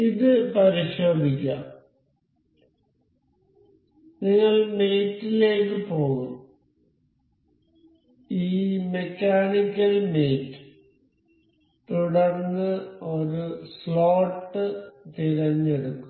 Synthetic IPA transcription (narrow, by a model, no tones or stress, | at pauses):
iðɨpɐɾiɕo̞ːb̪ʱikʲːɐ̰ | niŋːɐɭme̞ːtːile̞ːkːɨpo̞ːɣum | iːme̞kʲːaːɳikʲːɐlme̞ːtːɨ̥ | t̪uɽɐrnːɨoɾusloːʈːɨt̪iɾɐɲːeɽukːu